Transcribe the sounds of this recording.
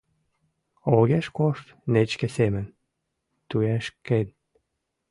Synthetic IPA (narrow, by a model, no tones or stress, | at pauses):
oɣeʃkoʃt̪net͡ɕkĕsemə̆n | t̪uæʃken